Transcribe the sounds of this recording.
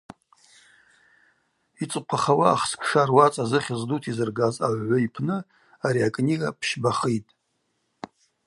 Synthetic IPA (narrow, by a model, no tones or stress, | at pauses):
it͡sʷʼqʷʰaχawaːχskʰʂarwat͡sʼazɨχʲɪzdutʰizɨrɡazaʕʕʷaipʰnɨ | aɾiakʼniɡapʰʃbaχijtʼ